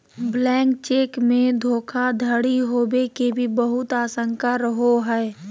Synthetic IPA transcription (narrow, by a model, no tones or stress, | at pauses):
blɛ̃ːŋkt͡ʃeːkmẽd̪ʱoːkʰad̪ʱəɽiɦoːbekebʱibəɦʊt̪aːsə̃ŋkaɾəɦoɦɛː